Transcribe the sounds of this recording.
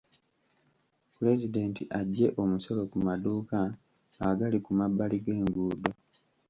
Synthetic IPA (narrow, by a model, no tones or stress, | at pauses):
pule̞zide̞ːntʰiʔaɟːe̞ʔo̞muso̞lo̞kumaduːka | aɡalikumabaliɡe̞ːŋɡuːdo